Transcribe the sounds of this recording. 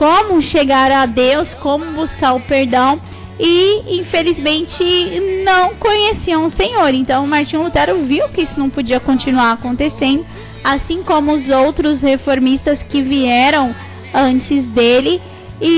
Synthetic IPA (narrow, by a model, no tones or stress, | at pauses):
kõmʊʃeɡaɾad̪ewskõmʊbuskaɾʊpeɾd̪ɐ̃w̃ | ɪĩfelizmẽnt͡ʃɪnɐ̃w̃kõɲesiɐ̃sẽɲoɾẽt̪ɐ̃w̃ʊmaɾt͡ʃĩlut̪ɛɾʊviwkɪisʊnɐ̃w̃pod͡ʒiɐkõt͡ʃinuaɾakõnt̪esẽnd̪ʊ | asĩkõmʊːzowt̪ɾʊshefoɾmist̪ɐskɪviɛɾɐ̃w̃ | ɐ̃nt͡ʃɪzd̪elɪ | ɪ